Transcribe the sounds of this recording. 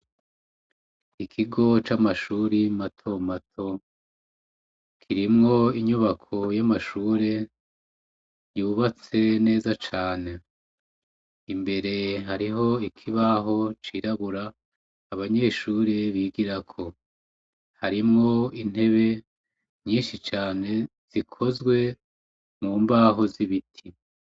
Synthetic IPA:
ikʰiɡo̞t͡ʃamaʃuːɾimatʰo̞matʰo̞ | kʰiɾimŋo̞iɲuβakʰo̞jamaʃuːɾe̞ | juuβat͡se̞ne̞ːzat͡ʃaːne̞ | imbe̞ɾe̞ɦaɾiɦo̞ikʰiβaɦo̞t͡ʃiɾaβuɾaː | βaɲe̞ːʃuːɾeβiɡiɾakʰo̞ | haɾimŋo̞in̥e̞βe̞ | ɲiːnʃit͡ʃaːne̞ | z̥ikʰo̞zɡwe̞ | muːmbaːɦo̞ziβitʰi

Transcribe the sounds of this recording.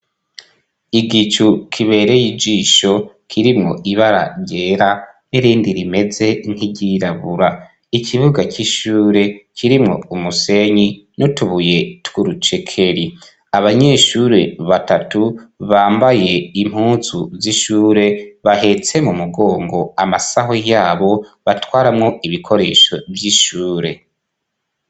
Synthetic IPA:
iɡit͡ʃukʰiβe̞ːɾe̞jid͡ʒiːʃo̞ | kʰiɾimŋo̞̰ʔiβaɾa̰ɟe̞ːɾa | neɾiːndiɾime̞ze̞n̥iɟiɾaβuɾa | icʰiβuɡaciʃuːɾe̞cʰiɾimŋo̞̰umuse̞ɲinutuβuje̞twuɾut͡ʃekʰe̞ɾi | aβaɲe̞ʃuːɾe̞βatatuβaːmbaje̞im̥huːzuziʃuːɾe̞βaɦe̞t͡se̞mumuɡo̞ːŋɡo̞amasaɦojaːβo̞βatwaːɾamŋo̞iβikʰo̞ɾe̞ːʃo̞vjiʃuːɾe̞̰

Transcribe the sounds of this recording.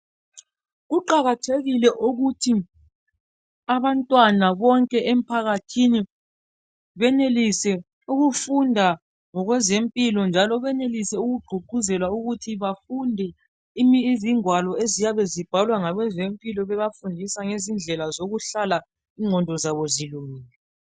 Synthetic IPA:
ɣuǃaɣatʰeɣilɛʔuɣutʰi | aβantʼwanaβɔŋkʼɛʔem̩pʰaɣatʰini | βɛnelisɛ | uɣufundʱa | ŋɔɣwɛzempʼilɔnd͡ʒʱalɔβɛnelisɛuɣuɡ͡ǃʱuɡ͡ǃʱuzɛlwauɣutʰiβafundʱɛ | imiziŋwalɔezijaβɛzib̥ʱalwaŋaɣwɛzempʼilɔβɛβafundʱisaŋezind͡ɮʱɛlazoɣuɬala | iŋʱɔndʱɔzaβɔziluŋiːɛ

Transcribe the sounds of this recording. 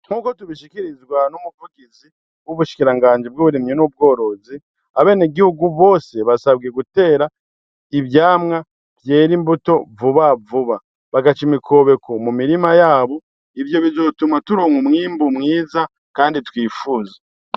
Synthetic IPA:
ŋ̥huːko̞tuβiʃikiɾizɡwanomupuɡizi | wuβuʃi̥kiɾaŋɡaːɲd͡ʒib̚ɡuːβuɾimɲinub̚ɡo̞ːɾo̞zi | aβe̞ːneɡihuɡuβo̞ːse̞βasaβɡe̞ɡute̞ːɾa | iβjaːmŋa | vje̞ːɾimbuto̞vuβavuβa | βaɡat͡ʃimikʰo̞ːβe̞kʰo̞mumiɾimajaːβo̞ | ivjo̞βizo̞tumatuɾoːŋumŋiːmbumŋiːza | kaːnditwiːfuːzḁ

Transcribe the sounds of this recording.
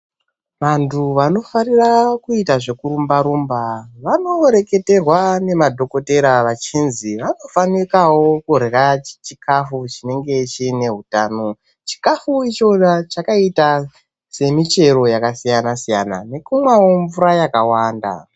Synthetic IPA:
ʋantʰuʋano̞farirakuitaʐe̞kuɾumbaɾumbaʋano̞ɾe̞ke̞te̞rwane̞madʱo̞ko̞te̞ɾaʋat͡ʃinziʋano̞fanikawokuɾerat͡ʃikʰafut͡ʃine̞ŋɡe̞t͡ʃine̞ɦutaːno̞ | t͡ʃi̥kafuit͡ʃo̞at͡ʃakaita | se̞mit͡ʃe̞ɾo̞jakasijanasija̰na̰ne̞kumwawoɱvuɾajakawaːnda̰

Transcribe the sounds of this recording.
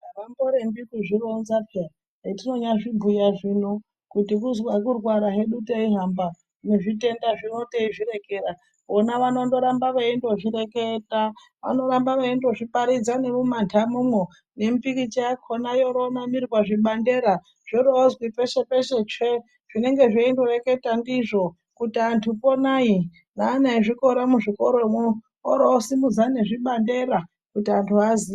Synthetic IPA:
aramboɾembikuʐironzapʰia | tino̞ɲaʐibujaʐino | kutikuzwakurwaɾaɦe̞ɗuteiɦamba | neʐite̞ndaʐinoteiʐiɾe̞keɾa | onaʋano̞ndo̞ɾambaʋaendoʐiɾeketa | ʋa̰no̞ɾambaʋaendoʐipaɾid͡zane̞mumantʰamumwo | ne̞m̩pikit͡ʃeakʰonajoɾomamiriwaʐiɓande̞ɾa | ʐ̥oɾoːzwipeʃepeʃet͡ʂe | ʐ̥ine̞ŋɡe̞ʐeindore̞ke̞tandiʐo̞ | kutiantʰuponaji | naːnaiʐiko̞ɾamuʐikoɾomu | oɾoːsimud͡zane̞ʐiɓande̞ɾa | kutiantʰuazi

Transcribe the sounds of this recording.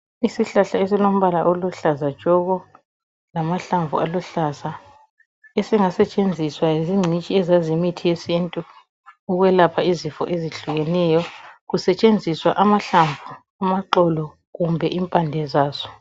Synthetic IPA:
isiɬaɬaesilom̩βalaʔoluɬazḁʒ̥ʼʱɔɣɔ | lamaɬaɱvṵaluɬasa | esiŋasɛt͡ʃʼend͡zʱiswaiziŋ͡ǀʱit͡ʃʼiɛzazimitʰijesintʼu | uɣwɛlapʰaizifɔ̰ʔeziɬuɣɛnɛjɔɣusɛt͡ʃʼend͡zʱiswaʔamaɬaɱvu | amaǃɔlɔ | ɣumbʱɛʔimpʼandʱɛzaːzɔ̥

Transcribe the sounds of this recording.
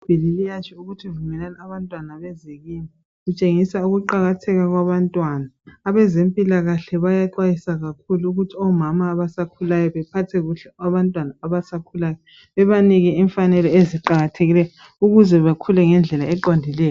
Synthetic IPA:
b̥ʱililijat͡ʃʰiuɣutʰievumɛlanaaβantʼwanaβɛzeɣima | ɣut͡ʃʼeŋisauɣuǃaɣatʰɛɣaɣwaβantʼwaːnaːβɛzempʼilaɣaɬɛβajaǃwajisaɣakʰuluuɣutʰiɔmamaːβasakʰulajɔβɛpʰatʰɛɣuɬɛaβantʼwanaːβasakʰulajɔ | βɛβaniɣɛiɱfanɛlɔeziǃaɣatʰeɣilɛjɔ | uɣuzɛβakʰulɛŋɛnd͡ɮʱɛlaɛǃondʱilɛːjɔ

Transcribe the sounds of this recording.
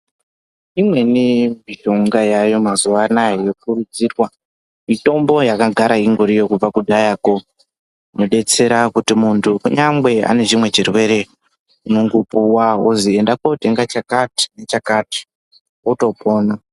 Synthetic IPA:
imwe̞nimiʒo̞ŋɡajajo̞mazuʋanajejokurud͡zirwa | mito̞mbo̞jakaɡʱaɾaiŋɡoɾijo̞kub͡vakudʱajako | noɗe̞t͡se̞ɾakutimuntʰuuɲambe̞a̰ne̞ʐimwe̞t͡ʃirwe̞ɾe̞ | uno̞ŋɡopuwaozie̞ndakote̞ŋɡat͡ʃakati̥ne̞t͡ʃakati̥ | oto̞po̞ːna

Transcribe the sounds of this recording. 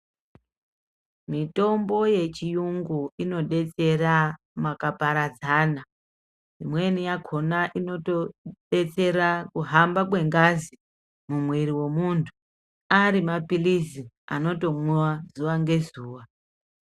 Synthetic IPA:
mito̞mbo̞je̞t͡ʃijuŋɡuino̞ɗe̞t͡se̞ra | makapaɾad͡zaːna | imwe̞nijakʰo̞naʔino̞toɗe̞t͡se̞rakuɦambakwe̞ŋɡazi | mumwiɾiwe̞muntʰu̥ | aɾimapilizi | a̰no̞to̞muwazuʋaŋɡe̞zuːwa

